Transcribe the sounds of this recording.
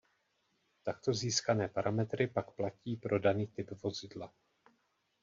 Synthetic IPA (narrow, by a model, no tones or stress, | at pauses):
t̪akt̪o̞ziːskanɛːpaɾʔamɛt̪ɾʔɪpakplaciːpɾo̞daniːt̪ɪpvo̞zɪdla